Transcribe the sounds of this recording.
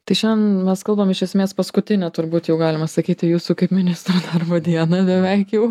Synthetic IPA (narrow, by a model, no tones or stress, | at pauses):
t̪ɐɪʃʲɛnmʲɛskɐlˠbɐmɪʃʲɛsʲmʲeːspɐskʊt̪ʲɪnʲɛt̪ʊɾbuːt̪jɛʊɡɑːlʲɪmɐsɐkʲiːt̪ʲɪjuːsuːkɐɪpmʲɪnʲɪst̪ɾoːd̪ɐrboːd̪ʲiɛnobʲɛʋʲɛɪkjɛʊ